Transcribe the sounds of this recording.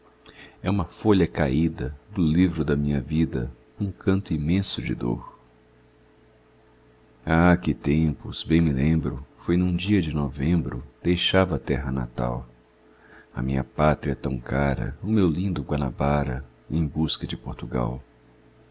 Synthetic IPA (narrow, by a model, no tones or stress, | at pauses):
ɛũmɐfoʎɐkaid̪ɐd̪ʊlivɾʊd̪ɐmĩɲɐvid̪ɐ̰ | ũkʰɐ̃nt̪ʊimẽsʊd͡ʒɪ̰d̪o̰ɾ | akɪt̪ẽpʊzbẽj̃mɪlẽmbɾʊfojnũd͡ʒiɐd͡ʒɪnɔvẽmbɾʊ̰d̪̥ejʃavɐt̪ɛɦɐna̰t̪a̰w | ɐ̰mĩɲɐ̰pat̪ɾiɐt̪ɐ̰̃w̃kʰaɾɐ̰ʊmewlĩnd̪ʊɡwana̰baɾɐ̰ | ẽj̃buskɐd͡ʒɪpoɾt̪uɡa̰w